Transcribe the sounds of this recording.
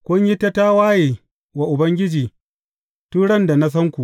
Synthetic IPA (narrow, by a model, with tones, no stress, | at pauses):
kʷʊ˦ɲji˦ta˦ta˦waː˦jeː˨ | wa˨ʔʊ˨bɐ˦ŋɡʲɪ˦d͡ʒiː˨ | tuː˦ɽɐ˦nda˨na˦s̬ɐ˦ŋkʷu˨ʔ